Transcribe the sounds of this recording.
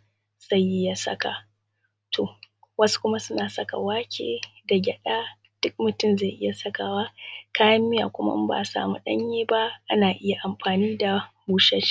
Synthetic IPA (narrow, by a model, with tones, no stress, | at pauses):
z̥a˦˨jʔɪ˦ja˨sɐ̰˦ka˨ | tʰo˨ | wɐ˦su̥˦kʷʊ˦ma˦sʊ˦naː˨sɐ˦ka̰˨waː˦kʲʰḛː˨da˨ɡʲɛ˨ɗaː˦ | d̥ʊ˦k̚mʊ˨tʊ˦˨mza˦˨ʔɪ˦ja˨sɐ˦kaː˨waː˦kaː˦jɐ˦mːɪ˦ja̰˨kʷʊ˦ma̰˦ba̰ː˨sa̰ː˨mu˦ɗɐ˦ɲjeː˦ba˦ʔa˦naː˨ʔɪ˦ja˨ʔa˨mɸaː˨niː˦da˨buː˦ʃɐ˦ʃ